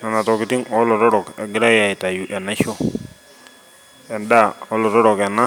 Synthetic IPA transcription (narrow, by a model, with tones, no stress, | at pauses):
na˨na˨tɔ˨kɪ˨ti˦ŋɔ˦lɔ˨ɾɔ˦ɾɔ˨kɛ˨ɡɪ˦ɾa˦ja˨i˨ta˨ju˨ʔɛ˨na˦ʃɔ˦ | ɛ˨nda˦˨ɔ˦lɔ˨ɾɔ˦ɾɔ˨kɛ˨na˦